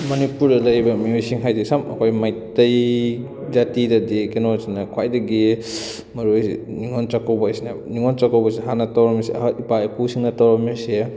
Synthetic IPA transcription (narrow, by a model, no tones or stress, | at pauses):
mɐnipuɾdɐlɐjbɐmiojsiŋɦajdisamɐ̰kʰojmajtɐj | d͡ʒatidɐdikenɔsinɐkʰwajdɐɡi | mɐɾujsḭniŋɔnt͡ʃakawbasinɐniŋɔnt͡ʃakawbɐsiɦanɐtawɾɐmiseipaepusiŋnɐtawɾmise